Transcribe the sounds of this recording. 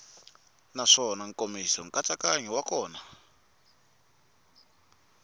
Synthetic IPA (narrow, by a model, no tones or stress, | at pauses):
naʂɔnaŋkomisɔŋkʼat͡sakaɲɛwakɔːna